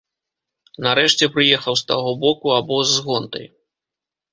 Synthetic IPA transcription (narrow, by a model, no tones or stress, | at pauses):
nɐɾɛʂt͡sʲɛpɾɨjɛxɐwst̪aɣɔbɔkuabɔzːɣɔnt̪ɐ̰j